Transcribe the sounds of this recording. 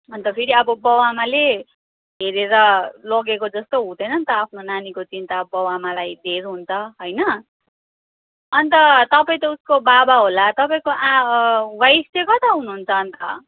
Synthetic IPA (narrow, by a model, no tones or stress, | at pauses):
ʌnt̪ʌpʰiɾiʌbʌbʌwamale | ɦeɾeɾʌlʌɡekod͡zʌst̪oɦud̪ʌjnʌnt̪ʌapʰnonanikot͡sint̪abʌwamalajd̪ʱeɾuɦunt͡sʰʌɦojnʌ | ʌnt̪ʌt̪ʌpaĩt̪ʌuskobabaɦolat̪ʌpaĩkoʔawajstekʌt̪ʌɦunuɦːnt͡sʰʌːnt̪ʌ̰